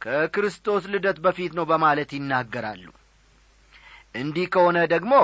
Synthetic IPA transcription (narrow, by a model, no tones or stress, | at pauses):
kʰəkɨɾɨst̪ʰʼo̞slɨd̪ət̪bəfit̪nəwbəmalət̪jɪnːaɡːəɾa̰lːṵ | ʔɨnd̪ihkʰəho̞nəd̪əɡmo